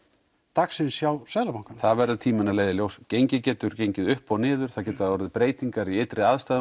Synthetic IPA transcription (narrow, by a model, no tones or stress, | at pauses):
t̪aksɪnsjawsɛðlapawŋkaθaðvɛɾʏt̪ʰiːmɪnaleːjðɪljowscejɲcɪcɛːt̪ʏɾ̥cejɲcɪðʏhpawnɪːðʏɾ̥aðcɛːt̪aɔɾðɪpɾeːjt̪iŋkaɾiejt̪ɾɪaðst̪aːð